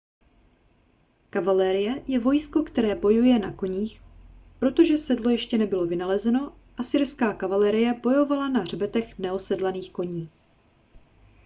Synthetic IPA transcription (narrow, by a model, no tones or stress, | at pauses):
kavalɛːɾɪjɛjɛvo̞jsko̞kt̪ɛɾɛːbo̞jujɛna̰ko̞ɲiːxpɾo̞t̪o̞ʒɛsɛdlo̞jɛʃcɛnɛbɪlo̞vɪnalɛzɛno̞ | ʔasɪɾskaːkavalɛːɾɪjɛbo̞jo̞valanar̝bɛt̪ɛxnɛosɛdlaniːxko̞ɲiː